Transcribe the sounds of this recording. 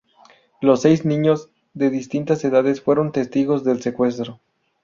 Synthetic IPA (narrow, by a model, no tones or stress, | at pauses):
lo̞sːejznĩɲo̞z | ðe̞ðist̪int̪ase̞ðaðesfwe̞ɾo̞nt̪e̞st̪iɣo̞zðe̞lse̞kwe̞s̬t̪ɾo